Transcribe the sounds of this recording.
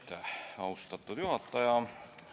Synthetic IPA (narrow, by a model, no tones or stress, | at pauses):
t̪æɑust̪ɑt̪ːut̪juhɑt̪ːɑjɑ